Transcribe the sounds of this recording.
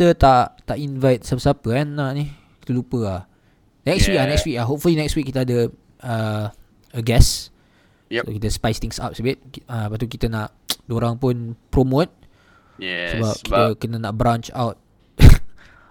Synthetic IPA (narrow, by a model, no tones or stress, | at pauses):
tət̪aʔt̪aʔinvajt̪̚sabsapəanːaʔni | kit̪əlupəa | nɛkswikanɛkswik̚aɦop̚fulinɛkswik̚ːit̪əadə | ə | əɡɛs | so̰kit̪əspajst̪ĩŋsa̰p̚səbit̚apat̪ukit̪ənaʔ | doɾaŋpʊnpɾomot̪̚ | səbap̚kit̪əkənənaʔ̚bɾãnt͡ʃa̰wt̚